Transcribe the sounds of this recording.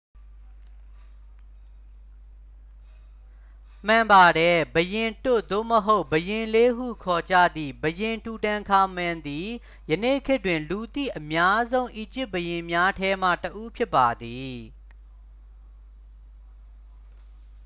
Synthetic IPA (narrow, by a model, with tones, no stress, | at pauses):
m̥ã˨mba˨ɾɛ˦˨bəjɪ̃˨nto̰˦˨d̪o̰˦˨məɦo˦ʊʔbəjɪ̃˨le˦ɦṵ˦˨kʰɔ˨d͡ʑä̰˦˨d̪ðḭ˦˨bəjɪ̃˨ntu˨tã˨ŋkʰa˨mã˨nd̪i˨ | jənḛ˦˨kʰɪ˦twɪ̃˨nlu˨t̪ḭ˦˨ʔəmja˦zõ˦ʊ̃ʔi˨d͡ʑɪ˦ʔ̚bəjɪ̃˨mja˦tʰɛ˦m̥ä̰˦˨təʔu˦pʰjɪ˦pːa˨d̪i˨